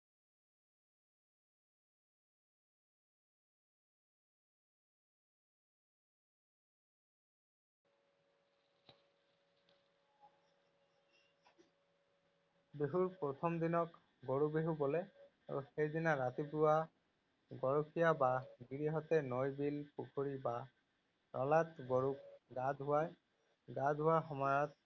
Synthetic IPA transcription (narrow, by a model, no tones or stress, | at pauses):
beɦuɹpɹɔt̪ʰɔmd̪inɔk | ɡoɹubeɦubɔlɛ | aɹṵxejdinaɹat̪ipuwa | ɡɔɹokʰijabaɡiɹiɦɔtɛnɔjbilpukʰoɹiba | ɹɔlatɡoɹuk̚ɡadɦʊwaj | ɡadʱɦʊwaɹxɔmɔat̚